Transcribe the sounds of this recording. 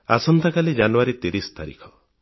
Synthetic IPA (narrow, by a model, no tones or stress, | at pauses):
a̰sɔnt̪ʰakalid͡ʒanuaɾit̪eɾist̪aɾḭkʰɔ